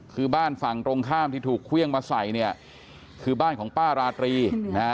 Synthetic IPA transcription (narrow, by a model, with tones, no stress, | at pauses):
kʰɯː˧baː˥˩nfa˨˩ŋt̪ɾo˧ŋkʰaː˥˩mt̪ʰiː˥˩t̪ʰuː˨˩kʰːwi˥˩əŋmaː˧sa˨˩jni˥˩ɐ | kʰɯː˧baː˥˩nkʰɔː˩˦ŋpaː˥˩ɾaː˧t̪ɾiː˧na˦˥